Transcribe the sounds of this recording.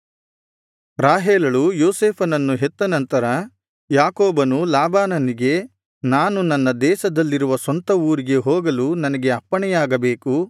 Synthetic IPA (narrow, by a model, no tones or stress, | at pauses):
ɾaːɦeːlɐɭujoːseːpʰɐnɐnːuɦet̪ːɐnɐnt̪ɐɾɐ | jaːkoːbɐnulaːbaːnɐniɡe̞ | naːnunɐnːɐd̪ɛːʃɐd̪ɐlːiɾuʋɐsɐnt̪ɐuːɾiɡe̞ɦoːɡɐlunɐnɐɡe̞ɐpːɐɳɛjaːɡɐbeːku